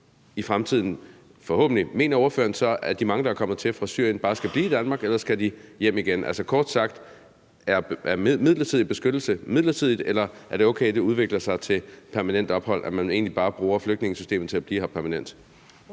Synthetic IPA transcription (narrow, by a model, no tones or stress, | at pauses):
ifʁamt͡sʰið̞̰ˠn̩ | fɒ̽hɔ̰̽ːb̥n̩lime̝̰ːnɐo̝ɐfø̰ːɐnsɒ̽ʔæd̥imɑ̈ŋəd̥ɑækʰɒ̽m̰ð̩ˠt͡sʰe̝lfʁɑ̈sy̰ɐ̰jən̥ɑ̈ːsɡ̥æb̥liːid̥ænmɑ̈ːɡ̥elɐsɡ̥æd̥ijem̰iɡ̥enʔæ̰lsəkʰɒːd̥sɑ̈ɡ̥̚d̥ | æɐæɐmið̞̰ˠlɐt͡sʰiðˠib̥e̝sɡ̥ød̥l̩səmið̞̰ˠlɐt͡sʰið̞̰ˠid̥elɐʔæɐd̥e̝oʊkʰeɪd̥euð̞ˠʋe̝ɡ̥lɐsɑ̈ɪt͡sʰe̝lpʰæɐmænen̰d̥ɒ̽b̥hɒ̽l̰ʔæmæne̝̰ːnlib̥ɑ̈ːb̥ʁuːɐfløɡ̥̚d̥ne̝ŋəsy̥sd̥e̝̰ːmð̩ˠt͡sʰe̝læb̥liːhɑ̈pʰæɐmænen̰d̥